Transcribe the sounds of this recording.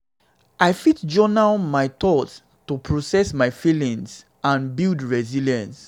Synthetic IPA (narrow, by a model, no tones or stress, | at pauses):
aɪfitd͡ʒɔnalmaɪtɔt | tupʰɹosɛsmaɪfilĩŋs | ãnbildɹɛziljãns